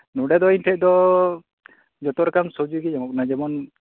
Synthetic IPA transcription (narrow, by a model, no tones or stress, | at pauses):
nuɖɛd̪ɔinʈʰɛʔ̚d̪ɔ | d͡ʒɔt̪ɔɾɛkamsod͡ʒuɡɛd͡ʒɔŋɔk̚nad͡ʒɛmɔn